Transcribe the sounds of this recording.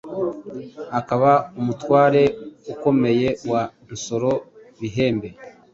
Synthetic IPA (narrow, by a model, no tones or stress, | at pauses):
akaβaumutwaːɾe̞uko̞me̞je̞wa | nso̞ɾo̞ | βiɦe̞ːmbe̞